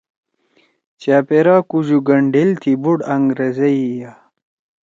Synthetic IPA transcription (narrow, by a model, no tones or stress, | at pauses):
t͡ɕaːpeɾaːkuʑuɡɐɳɖilt̪ʰibuɽɐŋɡɾezeija